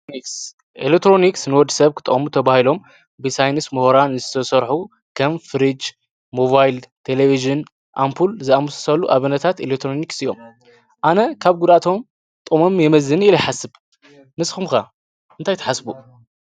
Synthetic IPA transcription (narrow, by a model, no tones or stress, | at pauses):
iks | ʔḛlek̚t̪ʰɾo̞niksnɨwɔd̪ɨ̥sɐβkʰɨt̪ʼɐ̰xʼmut̪ʰɐβahilo̞m | bɨsajnɨsmuhoɾanzɨt̪ʰɐsɐɾħu | kʰɐmfɨɾid͡ʒ | moβajlt̪ʰeleviʒɨn | ʔampʰulzɨamusɐ̥sɐlːuʔaβɨnɐt̪ʰat̪elek̚t̪ʰɾoniksijo̞m | ʔanɐkʰaβɡud̪at̪ʰo̞m | t̪ʼmo̞mjɛmɐzɨniljħasɨβ | nɨsxumka | ʔɨnt̪ʰajt̪ʰɐ̥ħasbu